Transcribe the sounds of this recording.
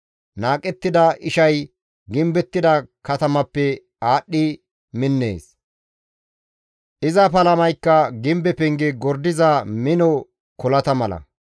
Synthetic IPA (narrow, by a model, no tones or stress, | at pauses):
naːkʼɛt̪ːɪd̪ɐʔɪʃɐj | ɡɪmbɛt̪ːɪd̪ɐkɐt̪ɐmɐpːɛ | aːɗːɪ | mɪnːḛːs | ʔɪzɐpɐlɐmɐjkːɐɡɪmbɛpɛŋɡɛɡɔɾd̪ɪzɐmɪnɔ | kɔlɐt̪ɐmɐlɐ̰